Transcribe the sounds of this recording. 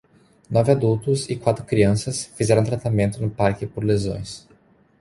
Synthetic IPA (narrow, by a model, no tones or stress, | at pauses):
nɔvɪad̪uwt̪ʊsɪkwat̪ɾʊkɾiɐ̃sɐsfizɛɾɐ̃t̪ɾat̪amẽnt̪ʊnʊpaɾkɪpoɾlezõ̰j̃s